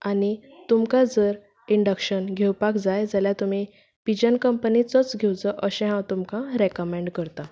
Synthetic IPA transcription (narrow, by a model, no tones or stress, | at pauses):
anit̪umkãd͡zəɾ | iɳɖəkɕənɡʱewpakd͡zajd͡zəljat̪umi | pid͡ʑənkəmpənit͡sɔt͡sɡʱewt͡səʔəɕɛ̃ɦãwt̪umkãɾekəmẽɳɖkəɾt̪a